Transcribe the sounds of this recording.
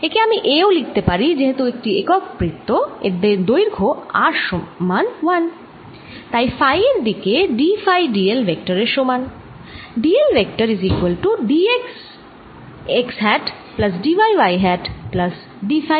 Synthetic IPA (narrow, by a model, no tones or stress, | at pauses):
ekeamiʔeolik̚ʰt̪epaɾid͡ʑeɦet̪uek̚ʈiekɔk̚pɾit̪ːoḛd̪eɾd̪ojɾɡʰʱoaɾʃomanwan | t̪ajfajeɾd̪ikeɖifajɖielbek̚ʈəɾeɾʃoman | ɖielbek̚ʈaɾizikualʈuɖieks | eksɦɛʈ | plɐs̬ɖiʋajʋajɦɛʈplɐs | ɖifaj